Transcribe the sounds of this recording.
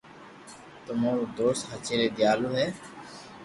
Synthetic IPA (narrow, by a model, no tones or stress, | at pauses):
t̪ʊmoːɾod̪oːst̪ɦət͡ʃeːɾeːd̪ɪjaːloːɦɛː